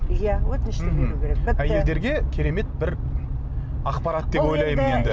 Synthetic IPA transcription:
jawɵt̪ɪnɪʃt̪ebeɾukʲʰeɾekæje̞ld̪e̞ɾɡʲe̞kʲʰe̞ɾe̞me̞t̪̚bɪɾ | ɑqpɑɾat̪d̪e̞pwo̞jlˠɑjməne̞nd̪ɪ

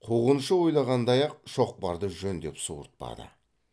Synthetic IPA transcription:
qʰuʁənʃəwo̞jlˠɑʁɑnd̪ɑjɑq̚ʃo̞q̚pɑɾd̪əʒɵnd̪e̞psuə̰ɾt̪̚pɑ̰d̪ə̰

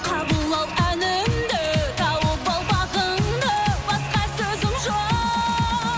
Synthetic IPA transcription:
qʰɑbəlˠːɑwænɪmd̪et̪ʰɑwəbolˠbɑʁənd̪əbɑsqɑsɵzɪmʒo

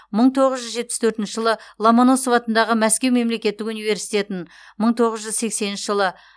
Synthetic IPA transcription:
məɴt̪ʰo̞ʁəzʒʏzʒe̞t̪̚pɪ̥st̪ʰɵɾt̪ɪnʃəʒəlˠəlˠomonosovɑt̪ənd̪ɑʁəmæskʲe̞wme̞mle̞kʲe̞t̪ːɪkunijve̞ɾsijt̪e̞t̪ɪn | məɴt̪ʰo̞ʁəzʒʏzse̞kse̞nɪnʃəʒəlˠə

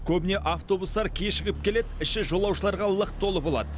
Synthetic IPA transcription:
kʲʰɵbɪne̞ʔaft̪o̞bust̪ɑɾkʲʰeʃɪɡʲɪp̚kʲe̞le̞d̪ɪʃɪʒo̞lˠɑwʃəlˠɑɾʁɑlˠəqt̪ʰːo̞lˠəbo̞lˠɑ̰d̪ə

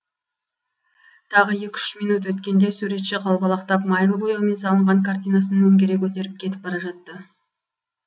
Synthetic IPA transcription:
t̪ʰɑʁəje̞kʲʏ̥ʃmijnut̪wɵt̪kʲe̞nd̪e̞suɾe̞t̪ʃeqʰɑlˠbɑlˠɑqt̪ɑpmɑjlˠbojome̞nsɑlˠəɴʁɑŋkʰart̪ijnɑsənɵŋɡʲe̞ɾekʲʰɵt̪̬e̞ɾɪp̚kʲʰe̞t̪ɪ̥p̚bɑɾɑʒɑt̪ːə

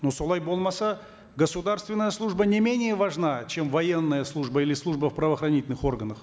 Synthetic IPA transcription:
nosolˠajbolˠmasə | ɡəsʊd̪arst̪vʲɪnːəjəslˠuʐbənʲɪmʲenʲɪjəvɐʐnat͡ʃe̞mvɐje̞nːəjəslˠuʐbəilʲɪslˠuʐbəfpɾəvəːxrɐnʲitʲɪlʲnɨχo̞rɡənəχ

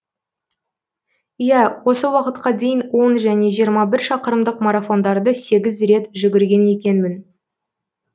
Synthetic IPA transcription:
ijæwo̞səwɑqət̪qɑd̪e̞jɪnwo̞nʒæne̞ʒijəɾmɑbɪɾʃɑqəɾəmd̪əqmaɾafo̞nd̪ɑɾd̪əse̞ɡʲɪzɾe̞t̪ʒʏɡʲɪɾɡʲe̞ne̞kʲe̞nmɪn

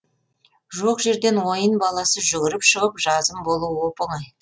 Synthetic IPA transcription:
ʒoqʒe̞ɾd̪e̞nwo̞jənbɑlˠɑsəʒʏɡʲɪɾɪpʃəʁəpʒɑzəmbo̞lˠuwo̞pəɴɑj

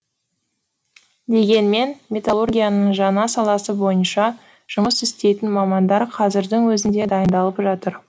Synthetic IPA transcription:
d̪e̞ɡʲe̞nme̞nmʲe̞t̪alˠo̞rɡʲijanəɴʒɑnɑsɑlˠɑsəbo̞jənʃɑ | ʒ̥ʊməsɪst̪e̞jt̪ɪnmɑmɑnd̪ɑɾqʰɑzɪɾd̪ɪŋwɵzɪnd̪e̞d̪ɑjənd̪ɑlˠəpʒɑt̪əɾ

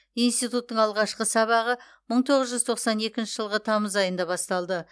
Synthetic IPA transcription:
inst̪ijt̪ut̪ːəɴɑlˠʁɑʃqəsɑβɑʁə | məɴt̪ʰo̞ʁəzʒʏzt̪ʰo̞qsɑne̞kʲɪnʃɪʒəlˠʁət̪ʰɑməzɑjənd̪ɑbɑst̪ɑlˠd̪ə

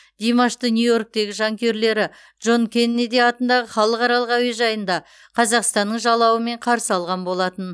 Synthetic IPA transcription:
d̪̥ijmɑʃt̪ənʲjujo̞ɾk̚t̪e̞ɡʲɪʒɑŋkʲe̞ɾle̞ɾɪ | dʒo̞nkʲʰe̞nːed̪eɑt̪ənd̪ɑʁəχɑlˠəqɑɾɑlˠəqæwieʒɑjənd̪ɑ | qʰɑzɑqst̪ɑnːəɴʒɑlˠɑwəme̞ɴqʰɑɾsəɑlˠʁɑnbo̞lˠɑt̪ən

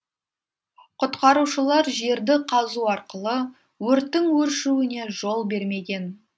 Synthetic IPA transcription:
qʰʊt̪qɑɾuʃəlˠɑɾʒe̞ɾd̪ɪqʰɑzuɑɾqəlˠə | wɵɾt̪ːɪŋwɵɾʃuwɪne̞ʒo̞lˠbe̞ɾme̞ɡʲe̞n

